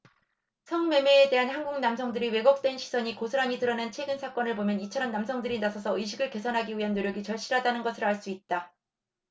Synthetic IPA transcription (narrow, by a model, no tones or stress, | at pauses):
sʰʌŋme̞me̞ːde̞ɦanhanɡuŋnamsʰʌŋdɯɾiwe̞ɡʌk̚t͈we̞nɕʰi̥sʰʌɲikosʰɯɾaɲitɯɾʌnent͡ɕʰe̞ɡɯnsʰak͈ʌnɯɭbomjʌnit͡ɕʰʌɾʌmnamsʰʌŋdɯɾinasʰʌsʰʌɯjɕʰiɡɯɭke̞sʰʌnɦaɡiɥiɦanːoɾjʌɡit͡ɕʌɭɕ͈iɾadanɯnɡʌsʰɯɾoaɭs͈uit̚t͈a